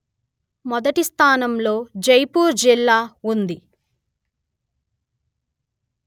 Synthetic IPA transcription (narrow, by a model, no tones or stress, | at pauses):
mɔd̪ɐʈist̪ʰaːnɐmlo̞ːd͡ʒɐjpuːɾd͡ʒilːaːund̪i